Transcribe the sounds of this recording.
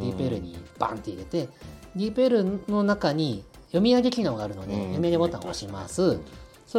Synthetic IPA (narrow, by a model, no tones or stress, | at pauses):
d̪ʲipɯeɾɯ̟ɲ̟ḭb̥ã̰nt̪e̞iɾe̞t̪e̞d̪ʲipeɾɯ̟no̞nakaɲ̟i | jo̞mʲiaɡʲe̞kʲiɯnoɡaɾɯ̟no̞d̪e̞̰jo̞mʲiaɡʲemot̪ːa̰ŋ̰o̰ɕima̰sɨ | so